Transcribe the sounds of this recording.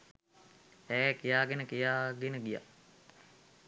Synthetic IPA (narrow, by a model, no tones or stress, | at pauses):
ɛːkijaːɡenəkijaːɡenəɡija̰